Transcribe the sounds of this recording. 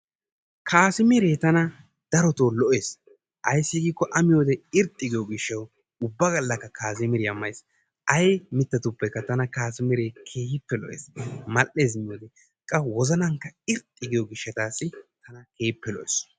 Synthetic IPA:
kʰaːsɪmɪɾeːt̪ɐnɐ | d̪̥ɐɾɔt̪oːlɔʔeːs | ʔɐjsːɪɡiːkːɔʔɐmɪjoːd̪ɛɪɾt̪ʼːɪɡɪjoɡɪʃːɐw | ʊbːɐɡɐlːɐkːɐkaːsɪmɪɾɪɐmːɐjs | ʔɐjmɪt̪ːɐt̪ʊpːɛkːɐt̪ɐnɐkaːsɪmɪɾeːkʰeːhɪpːɛlɔ̰ʔḛːsmɐʔːe̞ːz̬mɪjoːd̪ɛ | kʼːɐwɔzɐnɐŋkːɐɪɾt̪ʼːɪɡɪjɔɡɪʃːɐt̪aːsːɪt̪ɐnɐke̞ːpːɛlɔʔeːs

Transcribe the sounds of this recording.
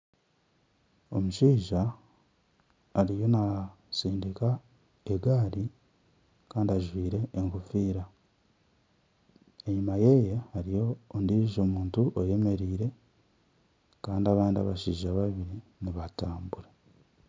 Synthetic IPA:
o̞muʃiːʒa | ɾijo̞na | siːndika | eɡaːɾi | kaːndiaʒwiːɾe̞ːŋkufiːɾa | e̞ɲumaje̞ːje̞haɾijo̞ːndiʒo̞ːmuːntuʔoje̞me̞ɾiːɾe̞ | kaːndiaβaːndia̰βaʃiːʒaβaβiɾiniβataːmbuɾe

